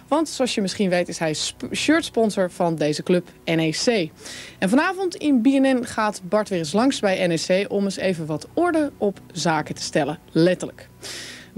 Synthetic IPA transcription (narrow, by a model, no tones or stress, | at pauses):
ʋɑntsoɑsjəmɪsχinʋejtɪsɦɛjʃøːɹtspɔnzəɹv̥ɑndejzəklɵp | ɛnesejʔɛnvɑnaːvɔntɪnbiɛnɛnχaːtbɑɹtʋɪːrəs̬lɑŋsbɛjɛnesejʔɔməsejvənʋɑtʊɹdəɔpzaːkətə̥stɛləlɛtələk